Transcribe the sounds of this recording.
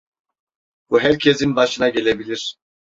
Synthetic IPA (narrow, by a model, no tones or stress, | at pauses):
uɦɛɾcʰɛzinbaʃɯnaɟɛlɛbilʲiɾ̥